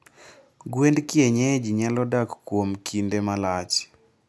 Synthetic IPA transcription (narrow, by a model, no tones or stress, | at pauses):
ɡwendkjeɲɛd͡ʒiɲalɔdakkːwomkʰindemalat͡ʃ